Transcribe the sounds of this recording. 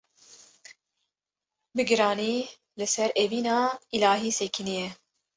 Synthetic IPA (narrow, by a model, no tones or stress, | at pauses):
bɨɡɨɾɑːniː | lɨsɛɾeviːnɑːilaːɦiːsekʰinijɛ